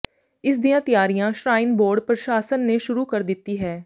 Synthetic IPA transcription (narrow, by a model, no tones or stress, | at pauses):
ɪsd̪ijãːt̪ɪjaːɾijãːʃɾaːɪnboːɾɖpɾəʃaːsənːeːʃʊɾuːkəɾd̪ɪt̪ːiːɦɛː